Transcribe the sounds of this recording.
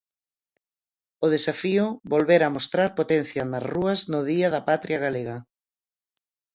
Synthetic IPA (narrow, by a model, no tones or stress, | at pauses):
ʊðesafiʊβolβeɾamost̪ɾaɾpot̪ɛn̟θjɐnɐzruɐznʊðiɐðɐpat̪ɾjaɣaleɣɐ